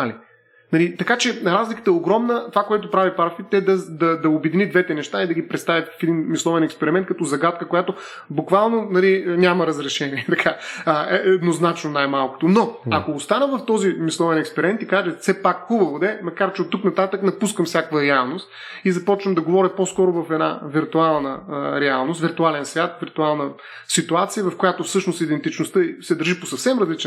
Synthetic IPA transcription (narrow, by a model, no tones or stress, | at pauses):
ali | nɐlit̪ɐkat͡ʃɛɾazlikə̥t̪əɛoʊɡɾɔmnət̪ovakojɛt̪opɾavipaɾfit̪ːɛd̪ɐd̪ɐd̪ɐobɛd̪inid̪vɛt̪ɛnɛʃt̪aid̪ɐɡipɾɛt̪st̪avʲət̪vfɛd̪inmislˠɔvɛnɛkspɛɾimɛnt̪̚kɐt̪ɔzɐɡat̪̚kəkojat̪o | bukvalˠnonɐlinʲaməɾɐzɾɛʃɛniɛt̪ɐkʰaəɛɛd̪noznat͡ʃnonajmalˠkʊ̥t̪onɔɐkoːst̪anəvɐft̪ɔzimislˠɔvɛnɛkspɛɾmɛnt̪ikaʒɛfsɛpakxubəvod̪ɛmɐkaɾt͡ʃɛot̪ːuknɐt̪at̪əknɐpuskəmfsʲjakvəɾɛalˠnost̪ | izɐpɔt͡ʃnəmd̪ɐɡovɔɾʲipɔskɔɾʊvɐfɛd̪na̰viɾt̪ualˠnəɾɛalˠnost̪viɾt̪ualɛnsvʲat̪viɾt̪ualˠnə | sit̪uat̪sijəvɐfkojat̪ofsɤʃnost̪id̪ɛnt̪it͡ʃnʊst̪əisɛd̪əɾʒipo̥sɐfsɛmɾɐzlit͡ʃ